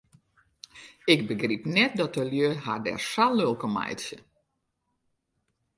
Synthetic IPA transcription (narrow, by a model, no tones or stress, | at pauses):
ɪk̚bəɡripnɛt̚dɔtəljøhadɛ̰rsalølˠkəma̰jtsə